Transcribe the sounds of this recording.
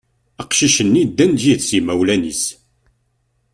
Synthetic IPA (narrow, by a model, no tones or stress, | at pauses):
əqʃiʃənːid̪ːænd̪jiθsimæwlænis